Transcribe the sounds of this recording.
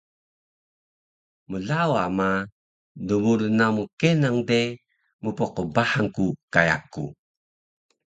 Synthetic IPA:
məlawama | duβuɾunamukenaŋde | mupɔqəbahaŋkukaja̰kṵ

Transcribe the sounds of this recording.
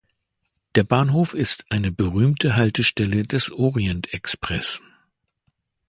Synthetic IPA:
d̥eːɐbaːnɦoːfɪstʰʔaɪnəbəʁyːmtʰəɦaltəʃtɛlədɛsʔɔːʁiɛntɛkspʁ̥ɛs

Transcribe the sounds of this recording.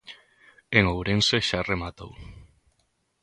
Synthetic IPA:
eŋowɾenseʃaremat̪o̰w

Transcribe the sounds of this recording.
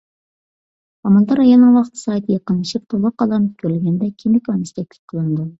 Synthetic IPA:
ɑmɑnt̪ɑɾɑjɑnːɨŋwɑqət̪ʰɨ̥sɑjt̪ʰɨjɑqəniʃip̚t̪ʰolˠʊqːɑlˠɑnɨp̚kʲʰøɾlɡʲɛnd̪ɛkʲʰimd̪ɪkʲɑnɨst̪ʰɛk̚ʲlʲɪ̥p̚ʲqʰəlˠɨnd̪u

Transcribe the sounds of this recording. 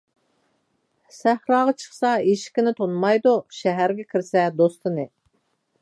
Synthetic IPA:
sæhɾɑːʁɑt͡ʃʰə̥χsɑeʃkʲɪnɪt̪ʰonmɑjd̪uʃɛɦæɾɡʲɛkʲʰiɾsɛd̪ost̪ʰɨnɨ

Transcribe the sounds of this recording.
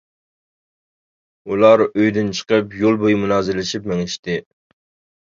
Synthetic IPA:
ulˠɑɾøjd̪ɪnt͡ʃʰə̥qəpjolˠbojmunɑːzɪlɪʃipmeŋɪʃt̪ɪ

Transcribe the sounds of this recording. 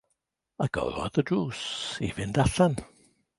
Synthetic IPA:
aɡ̥ɔ̰ɔ̰ðədɹuːsivɪndaɬan

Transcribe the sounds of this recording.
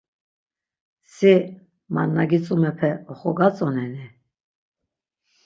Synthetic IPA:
si | manːaɡit͡sʼumɛpʰɛɔχɔɡat͡sʼɔnɛni

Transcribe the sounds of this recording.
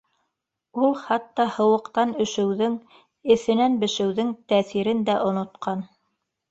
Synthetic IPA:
ulˠχɑt̪ːɑhɤ̆wɤ̆qt̪ɑnɵ̆ʃɘ̆wðɘŋ | ɘ̆θɘ̆nænbɘ̆ʃɘ̆wðɘŋt̪æθiɾɘnd̪æʔŏnŏt̪qɑn

